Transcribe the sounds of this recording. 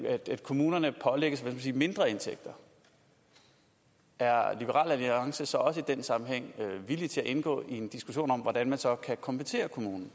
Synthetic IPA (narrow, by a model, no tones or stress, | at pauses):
æ̥æd̥kʰo̝muːnɐnəpʰɒ̽leɡ̥əsʋæsmæsiːme̝nd̥ʁɐe̝nt͡sʰeɡ̥̚d̥ɐ | æɐlib̥əʁɑ̰̈ːlæliɑ̈ŋsəsɒ̽ɒ̽səid̥ensɑ̈mm̩ɦeŋ̰øʋilit͡sʰe̝læʔe̝nɡ̥ɔ̰̽ːiend̥isɡ̥uɕo̝̰ːnɒ̽m̰ʋɒdænmænsɒ̽kʰækʰɒ̽mb̥ʰət͡sʰe̝̰ːɐkʰo̝muːnn̩